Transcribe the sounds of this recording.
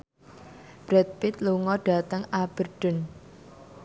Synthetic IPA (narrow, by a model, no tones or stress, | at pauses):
b̥ɾɛt̪̚pɪt̪̚luŋɔɖ̥a̤t̪əŋab̥ə̤rɖ̥ʊ̤n